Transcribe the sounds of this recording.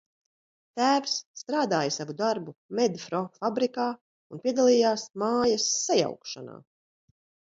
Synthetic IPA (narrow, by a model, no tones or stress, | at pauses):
t̪æːvsːt̪ɾaːd̪aːjasavud̪aɾbumɛd̪fɾɔfabɾikaː | unpʲiɛd̪alˠiːjaːsmaːjasːaja̰wkʃana̰ː